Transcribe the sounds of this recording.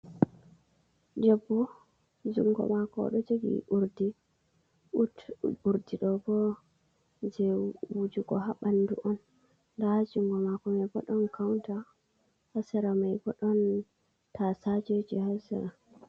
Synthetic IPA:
d͡ʒɛbːɔ | d͡ʒuŋɡɔ̰makɔ̰ɗɔd͡ʒeɡḭuɾdi | utuɾdiɗɔbɔ | d͡ʒɛwud͡ʒuɡɔɦaɓandṵʔɔnː | dahad͡ʒuŋɡɔmakɔmajbɔɗɔnkʰawnta | hasɛɾamajbɔɗɔn | tʰasad͡ʒed͡ʒihasɛ̰ɾa

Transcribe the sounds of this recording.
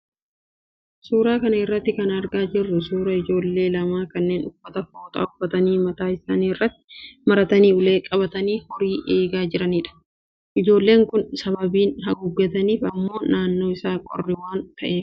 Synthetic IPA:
suːɾaːkɐnɐɪrːɐt̪ːɪkɐnɐɾɡaːd͡ʒɪrːʊsuːɾɐɪd͡ʒo̞ːlːe̞ːlɐmaːkɐnːe̞ːnʊfːɐt̪ɐfoːt̪ʼa̰ːʊfːɐt̪ɐniːmɐt̪aːɪsaːniɪrːɐt̪ːɪ̥mɐɾɐt̪ɐniːʊle̞ːkʼɐbɐt̪ɐniːhɔɾiːʔe̞ːɡaːd͡ʒɪɾɐniːᶑɐ̥ | ʔɪd͡ʒo̞ːlːe̞ːŋkʊnsɐbɐbiːnɦɐɡʊɡːɐt̪ɐniːfɐmːo̞ːnaːnːo̞ːɪsaːkʼɔ̰rːɪwaːnt̪ɐʔeːf

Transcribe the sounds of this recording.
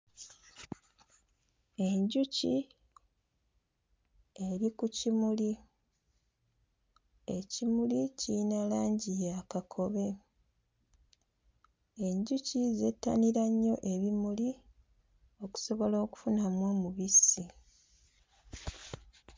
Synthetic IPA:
eɲɟuc | e̞ɾikucimuli | ecimulicinalaːɲɟijakakʰo̞βe̞ | e̞ɲɟucize̞tːa̰niɾaɲːo̞ʔe̞βimuli | o̞ku̥so̞βo̞lo̞ːku̥funamwoːmuβisi

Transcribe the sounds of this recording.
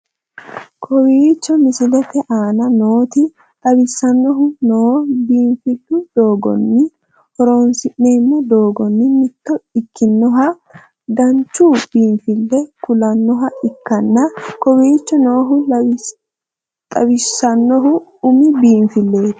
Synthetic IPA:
kʰɔwiːt͡ʃːɔmɪsɪlɛt̪ɛʔaːnɐnoːt̪ɪ | t̪ʼɐbɪsːɐnːɔɦʊnoːbiːnfɪlːʊd̪o̞ːɡɔ̰nːɪ | hɔɾoːnsɪʔːe̞ːmːɐd̪o̞ːɡɔnːɪmɪt̪ːɔɪkːɪnːɔɦɐ | d̪ɐnt͡ʃːuːb̥iːɱfɪlːɛkʊlɐnːɔɦɐʔɪkːɐnːɐkɔwiːt͡ʃːɔno̞ːɦʊ | t̪ʼɐwɪsɐnːɔɦʊʊmɪbiːɱfɪlːe̞ːt̪

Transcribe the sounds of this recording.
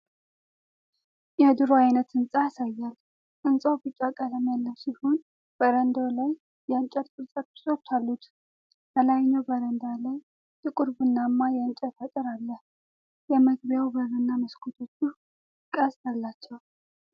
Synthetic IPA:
jɛd̪ɨɾoajnət̪ɨnsʼaasajːal | ʔɨnsʼawbɨt͡ʃʼakʼələmjalːəwsiho̞n | b̥əɾənd̪awlaj | jɛant͡ʃʼəɾt̪ʼɨɾsʼəbɨ̥sʼo̞t͡ʃːalːut̪ | bəlajɲːawbəɾənd̪alaj | t̪ʼɨkʼʊɾbɨnːamːajɛɨnt͡ʃʼɛt̪ʰat̪ʼɨɾalːəh | jɛməɡ̚bjawbəɾɨnːaməskʰot̪ʰo̞t͡ʃːu | kʼəst̪alːat͡ʃːɛw

